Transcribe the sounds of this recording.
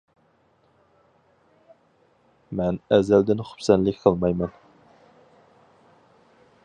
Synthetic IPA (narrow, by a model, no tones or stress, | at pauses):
mɛnɛzæld̪ɪnχʊ̥psɛnlɪkʲqʰəlˠmɑjmɛn